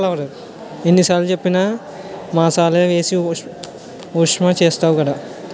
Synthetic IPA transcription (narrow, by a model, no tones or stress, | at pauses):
laʋɾɐɾ | enːisaːlut͡ʃepːinaː | maːsaːlɐjɐʋe̞ːsi | ukʂmaːt͡ʃeːst̪aːʋukɐɽaː